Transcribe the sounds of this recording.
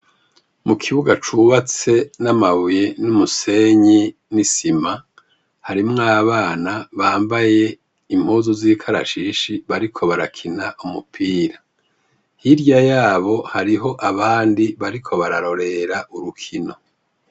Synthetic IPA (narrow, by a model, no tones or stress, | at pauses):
mukʰiβuɡat͡ʃuβat͡se̞namaβujenumuse̞ɲi | nisima | haɾimŋaːβaːnaβaːmbaje̞ | im̥oːzoziːkʰaɾa̰ʃiʃiβaɾikʰo̞βaɾakʰinaʔumupʰiːɾa | hiɾjajaːβo̞haɾiɦo̞ʔaβaːndiβaɾikʰo̞βaɾaɾo̞ɾe̞ɾaʔuɾukʰino̞